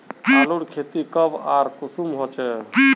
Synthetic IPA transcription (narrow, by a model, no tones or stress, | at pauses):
aːluɽkʰet̪ikəbaɾkusumɦot͡ʃɛ